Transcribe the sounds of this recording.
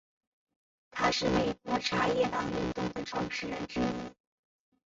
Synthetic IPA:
t̪ʰa˥ʂɻ̩˥˩me˨˩ɪkwɔ˧˥ʈ͡ʂʰa˥jɛ˥˧t̪ɑ˥˩ŋy˥˩ŋt̪ʊ˥˩ŋd̪ə˩ʈ͡ʂʰwɑ˥˧ŋʂɻ̩˥˧ɻə˧˥nʈ͡ʂɻ̩˥

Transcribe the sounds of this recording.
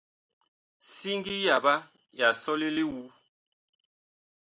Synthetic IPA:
si˦ŋɡi˦ja˨ba˦ | ja˨sɔ˦li˦li˦wu˨˦

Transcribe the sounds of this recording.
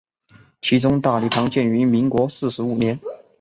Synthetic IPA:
t͡ɕʰi˧˥ʈ͡ʂʊ˥ŋt̪a˥˧li˥˩t̪ʰɑ˧˥ŋt͡ɕjɛ˥˩ny˧˥mi˧˥nkwɔ˧˥sɹ̩˥˩ʂɻ̩˧˥u˨˩njɛ˧˥n

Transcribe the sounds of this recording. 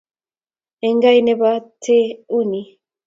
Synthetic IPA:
e˨ŋɡa˦jne˦βat̪ʰe˦u˦ni

